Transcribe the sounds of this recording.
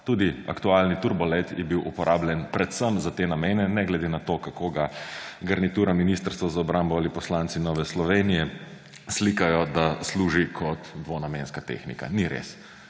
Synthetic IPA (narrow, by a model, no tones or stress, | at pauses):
t̪uːd̪ia̰kt̪ualnit̪uɾbɔlɛt̪jɛbiwʔupɔɾʔaːblʲjɛnpɾɛt̪səmzat̪eːnameːnɛnɛɡlɛd̪enat̪oːkakoːɡaɡɐɾnit̪uːɾaminist̪əɾst̪ʋazaɔbɾambɔalipɔslant̪sinɔːʋɛslɔʋeːnijɛ | slikajɔd̪asluːʒikʰɔt̪d̪ʋonameːnskat̪ḛːxnḭka̰niɾḛs